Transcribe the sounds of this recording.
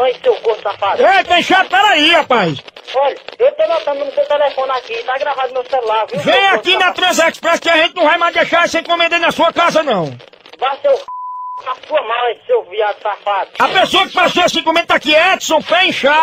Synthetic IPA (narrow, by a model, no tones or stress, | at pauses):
ɐ̃j̃sewɡousafad̪epẽʃad̪̚pɛɾaiapajsɔʎɐewt̪onot̪ɐ̃d̪ʊnʊsewt̪ɛlɛfõnɪakit̪aɡɾavad̪ʊmewsɛllavĩvẽj̃akinɐt̪ɾɐ̃zɛkspɾɛskɪaʒẽt̪ɪnɐ̃w̃vajmajd̪eʃaɾisẽj̃kõmẽd̪enɐsuɐkazɐnɐ̃w̃ | vajsewasuɐmasewviaʒʊsafad̪ʊɐpesoɐkɪ̥pasoasĩkõmẽd̪̚t̪akiɛd̪sõw̃pẽj̃ʃa